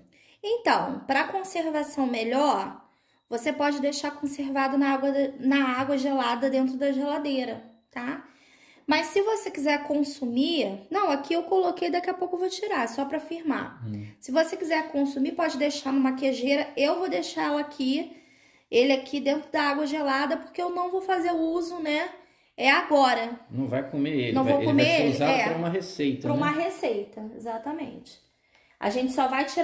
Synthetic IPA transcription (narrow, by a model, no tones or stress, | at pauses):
ẽnt̪ɐ̰̃w̃pɾɐkõseɾvasɐ̃w̃meʎɔɾ | vosepɔd͡ʒɪd̪ejʃaɾkõseɾvad̪ʊnɐaɡwɐnɐaɡwɐʒelad̪ɐd̪ẽnt̪̬ɾʊd̪ɐʒelad̪ejɾɐ | t̪a | mɐssɪvosekizɛɾkõsuminɐ̃w̃akiewkolokejd̪ɐkiɐpowkʊewvot͡ʃiɾasɔpɾɐfiɾma̰sɪvosekizɛɾkõsumipɔd͡ʒɪd̪ejʃaɾnũmɐkeʒeɾɐewvowd̪ejʃalakʰi | elɪakʰid̪ẽnt̪ɾʊd̪ɐaɡwɐʒelad̪ɐpoɾkeewnɐ̃w̃vowfazeɾʊuzʊnɛ | ɛaɡɔɾɐnɐ̃w̃vajkomeḛlɐ̃w̃vowkomelzaɛɾɐũmɐɦesejt̪ɐpɾɐũmɐɦesejt̪ɐezat̪ɐmḛ̃t͡ʃɪ̥ | a̰ʒẽnt͡ʃɪ̥sɔvajt͡ʃiɾ